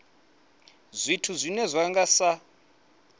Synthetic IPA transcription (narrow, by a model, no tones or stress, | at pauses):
zʷitʰuzʷinɛzʷaŋɡasa